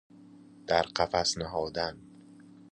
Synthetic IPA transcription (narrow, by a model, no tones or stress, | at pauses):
d̪̥æɾqæfæsnæɦɒːd̪æn